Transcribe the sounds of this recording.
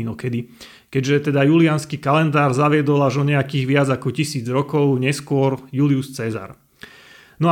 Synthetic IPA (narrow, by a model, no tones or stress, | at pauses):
inɔkɛd̪i | kɛɟʒɛt̪ɛd̪ajulianskiːkalɛnd̪aːɾzaʋɪɛd̪ɔlaʒɔɲɛakiːɣʋɪad͡zakɔcisiːd͡zɾɔkɔʊɲɛskʊɔɾjuliust͡sɛza̰ɾ | nɔ